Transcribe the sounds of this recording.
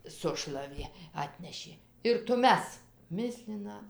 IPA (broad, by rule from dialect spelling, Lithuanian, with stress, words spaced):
ˈsʊʃlˠɐʋʲeː ˈɑːtʲnʲɛʃʲeː ɪr tʊˈmʲɛs ˈmʲɪsʲlʲɪnɐ